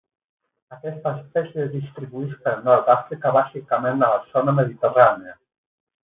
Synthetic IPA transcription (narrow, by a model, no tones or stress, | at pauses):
əkɛst̪əːspɛsjezðist̪ɾiβuispəɾnɔɾt̪afɾikəβazikəmenələzonəməðit̪əraneə